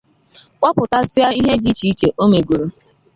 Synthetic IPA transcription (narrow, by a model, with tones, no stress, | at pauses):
kʷɔ˦pʊ˨ta˦sɪ˦a˦i˦ɦe˦d͡ʒi˦t͡ʃi˦t͡ʃe˨ʔo˦me˨ɡu˨ɾu˨